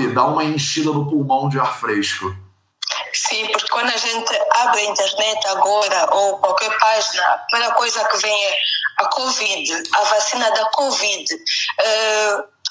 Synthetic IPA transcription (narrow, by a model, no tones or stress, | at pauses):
id̪aũmɐĩʃid̪ɐnʊpuwmɐ̃w̃d͡ʒɪaɾfɾeʃkʊ | sĩpuɾkkwɐ̃nd̪ɐʒẽnt̪ɨabɾɐĩnt̪ɛɾnɛt̪aɡɔɾɐʔowkwalkɛɾpaʒinɐɐ̰pɾimejɾɐkojzɐkɨvẽj̃ɛɐkovid̪ɨɐvasinɐd̪ɐkovid̪ɨɛ